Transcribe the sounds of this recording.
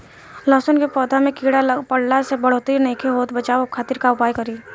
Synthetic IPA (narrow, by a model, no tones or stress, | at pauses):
lɔːsənkepɔːd̪ʱamẽkiːɽaləpəɽlasebɐɽ̤oːt̪ineːkʰeɦoːt̪bɐt͡ʃaːokʰaːt̪iɾkaʊpaːjkɐɾiː